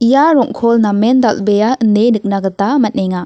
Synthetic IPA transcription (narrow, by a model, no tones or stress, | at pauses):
ijaɾɔŋkʰɔlnamendalbejaɯndenɯk̚naɡɐtamɐt̚nejŋa